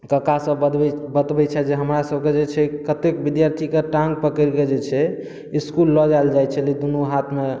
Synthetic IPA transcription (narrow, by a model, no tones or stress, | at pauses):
kəkasə̃bət̪bɛt͡ʃʰɛd͡ʒeɦəmɾasəbked͡ʒet͡ʃʰɛkət̪ekbid̪jaɾt̪ʰikeʈãŋɡ̚pəkəɾked͡ʒet͡ʃʰɛ | iskulːɔd͡ʒajld͡ʒajt͡ʃʰɛlid̪unuɦat̪ʰme